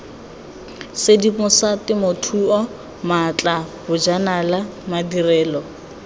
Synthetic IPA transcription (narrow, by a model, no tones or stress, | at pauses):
sɪdipʊsatɪmʊtʰuɔ | mat͡ɬʼabʊd͡ʒanalamadirɛːlɔ